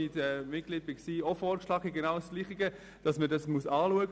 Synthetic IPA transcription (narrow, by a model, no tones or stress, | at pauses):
itɛmɪt̚ɡ̥lid̚b̥ɪksiːɔfɔːɾkʃlɑːɡəɡenaːʊwsɡ̥liːχiɡə | d̥ɑsmədɑsmuəsɑːluəɡ